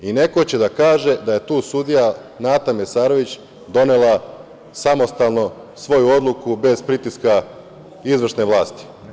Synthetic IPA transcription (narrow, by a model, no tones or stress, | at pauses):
ine̞ko̞t͡ɕe̞d̪akaːʒe̞d̪aje̞t̪uːsud̪ija | naːt̪amesaːɾo̞ʋit͡ɕ | d̪o̞ne̞lˠa | samo̞st̪alˠno̞ | sʋo̞juo̞d̪lˠukube̞zpɾit̪iska | izʋr̩ʃne̞ʋlˠaːst̪i̥